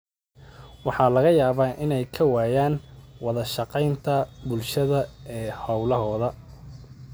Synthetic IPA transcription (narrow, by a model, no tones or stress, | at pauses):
wɑħɑːlɐɣɐjaːβaːʔɪnɛjkʰɐwaːjaːnwɑðɐʃɑqɛjnt̪ʰɐbʊlʃɐðɐɛːhɐwlɐɦɔːðɐ